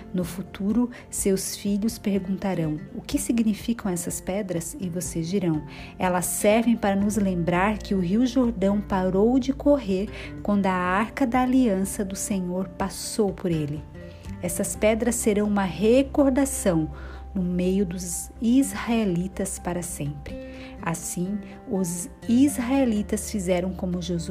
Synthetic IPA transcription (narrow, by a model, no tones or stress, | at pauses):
nʊfut̪uɾʊ | sewsfiʎʊspeɾɡũnt̪aɾɐ̃w̃ʊkɪsiɡnifikɐ̃w̃ɛsɐspɛd̪ɾɐsɪvosezd͡ʒiɾɐ̃w̃ | ɛlɐsːɛɾvẽj̃paɾɐnʊzlẽmbɾaɾkɪʊɦiwʒoɾd̪ɐ̃w̃paɾowd͡ʒɪkʰoɦeɾkwɐ̃nd̪ʊaaɾkɐd̪ɐːliɐ̃sɐd̪ʊsẽɲoɾpasowpʊɾelɪ | ɛsɐspɛd̪ɾɐsːeɾɐ̃w̃ũmɐɦekoɾd̪asɐ̃w̃ | nʊmejʊd̪ʊz | izhaelit̪ɐspaɾɐsẽmpɾɪ | asĩ | ʊz | izɦaelit̪ɐsfizɛɾɐ̃w̃kõmʊʒez